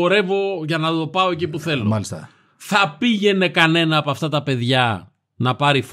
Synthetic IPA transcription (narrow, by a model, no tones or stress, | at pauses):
oɾe̞vo̞ʝɐnɐðo̞pɐo̞ecip̬uθe̞lolisɐ̰ | θɐpiʝe̞ne̞kɐne̞nɐːpoɐft̪ɐt̪ɐpe̞ðʝɐ | nɐpɐɾif